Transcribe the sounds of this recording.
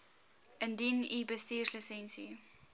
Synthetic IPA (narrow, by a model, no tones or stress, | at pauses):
ʔəndinibəstiːrslisɛnsḭ